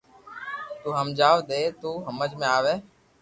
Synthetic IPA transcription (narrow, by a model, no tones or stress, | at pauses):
t̪uːɦəmd͡ʒaːʋd̪eːt̪uːɦəməd͡ʒmẽːaːʋeː